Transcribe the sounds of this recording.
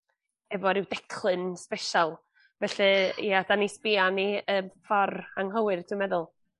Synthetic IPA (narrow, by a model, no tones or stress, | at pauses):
ɛvɔɾɪwdɛkʰlˠɨnspɛʃalˠ | vɛɬɛjad̥anispianiəmfɔraŋɦɔwɨrdʰɪmɛðʊlˠ